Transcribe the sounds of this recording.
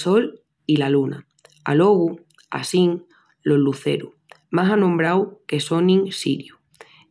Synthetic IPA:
so̞l | ilaluna̰ | a̰lo̞ɣu | a̰siŋ | lo̞zluθe̞̰ɾu | masanõmbɾawke̞so̞nĩŋsiɾju

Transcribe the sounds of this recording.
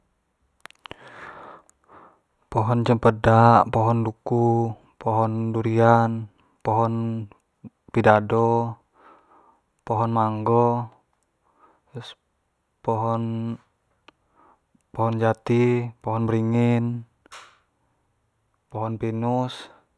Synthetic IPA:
pɔɦɔnt͡ʃəmpədaʔpɔɦɔnduku | pɔɦɔnduɾian | pɔɦɔn | pidadɔ | pɔɦɔnmaŋɡɔ | s | pɔɦɔn | pɔɦɔnd͡ʒat̪ipɔɦɔnbəɾiŋin | pɔɦɔnpinus

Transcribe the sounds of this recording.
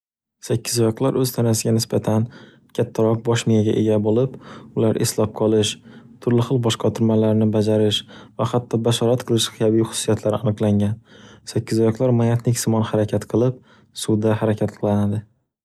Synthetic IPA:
sakʲːɪzɒjɒqlˠaɾʔɵzt̪ʰanasɪɡʲanɪsbat̪ʰan | kʲʰat̪ʰːaɾɒq̚bɒʃmɪjaɡʲa̰ʔe̞ɡʲabolɪpʊlaɾʔɪslɒp̚qʰɒlˠɪʃt̪ʰʊɾlɪχɨlˠbɒʃqʰɑt̪ʰʊɾmalaɾnɪbad͡ʒaɾɪʃvahat̪ʰːɒbaʃɒɾat̪̚qʰɨlˠɪʃqʰɨjabiχʊ̥sʊsːijat̪ʰlaɾɪanɨqlˠaŋʲansakʲːɪzɒjɒqlˠaɾmajat̪nɪkʲsɪmɒnhaɾakʲʰat̪qʰɨlˠɪp̚ | sʊd̪aɦaɾakʲʰat̪qʰɨlˠanad̪ɪ

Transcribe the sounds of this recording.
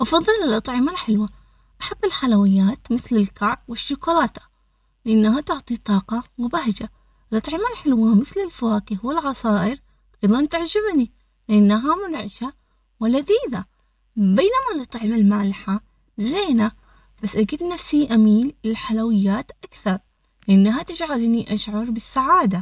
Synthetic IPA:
ʔɑfɑðˤːɨlɪlʔɑt̪ˤʕɪmalħɪlwa | ʔaħabːɪlħalawɪjːaːt̪mɪθlɪlkaʕb̚wɪʃːʊkulaːt̪ḁ | lɪʔanːaɦat̪ʊʕt̪ˤit̪ˤɑːqɑwɪbaɦd͡ʒa | ʔɪlʔɑt̪ˤʕɪmalħɪlwamɪθlɪlfawaːkɪhwɪlʕɑsˤɑːʔɪɾ | ʔɑjðˤɑnt̪aʕd͡ʒabni | lɪʔanːaɦamʊnʕɪʃa | wɪlːad̪iːða | beːnamalɨt̪ˤʕɪmalmaʕlɪħa | zeːna | b̥asːʔaɡid̪nafsiʔamiːlɪlħalawɪjːaːt̪ʔakθɑɾˤ | lɪʔanːaɦat̪ɪd͡ʒʕalniʔaʃʕɑɾˤbɪsːaʕaːd̪a

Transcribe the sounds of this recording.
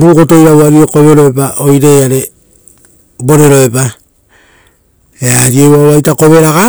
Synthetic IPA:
ɾuko̞to̞jɾawaɾio̞ko̞βe̞ɾo̞epao̞jɾe̞aɾe̞ | bo̞ɾe̞ɾo̞e̞pa | eaɾio̞waoajtako̞βe̞ɾaɡa

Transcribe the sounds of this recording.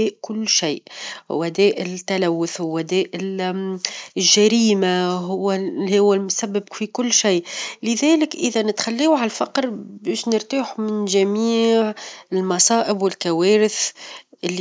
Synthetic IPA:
ɛːʔkʊlːʃajʔwæd̪ɛːʔɪt̪ːælæwːʊθhwːæd̪ɛːʔ | lʒæɾiːmaɦʊwːhʊwːælmsæbːɪb̚fikʊlːʃaːʔlɪðæːlɪkʔɪðænɪt̪xælːiːwʕalfɑqɾbæːʃnɪɾt̪aːħumɪnʒæmiːʕɪlmɑsˤɑːʔɪbwɪlkæwɛːɾɪθʔɪlː

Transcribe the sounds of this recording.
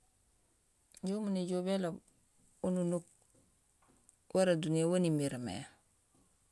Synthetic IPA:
ɟomuniɟobela | ununuk̚ | waɾaduniawanimiɾmḛ

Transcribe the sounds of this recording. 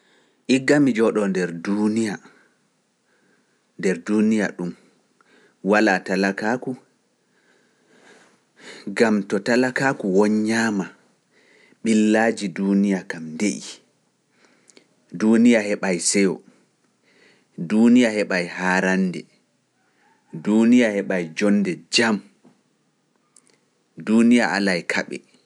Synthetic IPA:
ʔiɡːamid͡ʒɔɗɔndɛɾdunija | ndɛɾdunija̰ɗum | walaːtalakaku | ɡamtɔtalakakuwɔɲːaːma | ɓilːad͡ʒidunijakamndeʔi | duːnijahɛɓajsɛjɔ̰ | duːnijahɛɓajhaːɾandɛ̰ | duːnijahɛɓajd͡ʒɔndɛd͡ʒam | duːnijaʔa̰lajkʰaɓɛ̰

